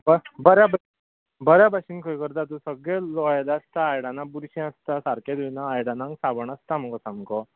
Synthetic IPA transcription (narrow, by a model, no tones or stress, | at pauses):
bəbəɾjaba | bəɾjabʱaɕinkʰəjkəɾt̪at̪̬ũsəɡɭelɔjlaːst̪aːjɽanabuɾɕɛ̃əst̪asaɾked̪unaːjɽanãŋɡsabəɳəst̪amkɔsamkɔ